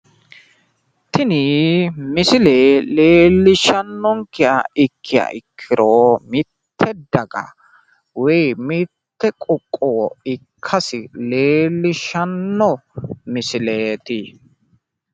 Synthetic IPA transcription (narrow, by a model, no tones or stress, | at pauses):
t̪ʰɪnɪmɪsɪleːleːlːɪʃɐnːɔŋkɪja̰ɪkʰːɪja̰ʔɪkʰːɪɾoːmɪt̪ʰːɛd̪ɐɡɐ̰ | wɛjmɪt̪ːɛkʼʊkʼːoɪkʰːɐsɪleːlːɪʃɐnːɔmɪsɪleːt̪ɪ